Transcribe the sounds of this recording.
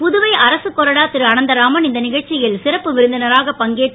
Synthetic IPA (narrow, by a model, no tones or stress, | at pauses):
pʊðɯʋɐɪʔɐɾɐsɯkːɔɾɐɽaːt̪ːɪɾɯɐnɐnd̪ɐɾaːmɐnɪnd̪ɐnɪɣɐɭt͡ʃːɪjɪlsɪɾɐpːɯʋɪɾɯnd̪ɐnɐɾaːɣɐpɐŋɡeːʈː